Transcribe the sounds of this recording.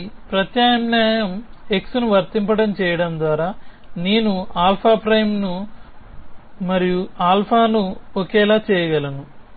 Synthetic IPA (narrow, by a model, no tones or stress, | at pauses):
pɾɐt̪jaːɐmnaːjɐme̞ksunuʋɐɾt̪impɐɽɐmt͡ʃɛːjɐɽɐnd̪ʋaːɾaː | neːnuaːlpʰaːpɾɐjmnu | mɐɾijuaːlpʰaːnuɔkɛːlaːt͡ʃɛːjɐɡɐlɐnu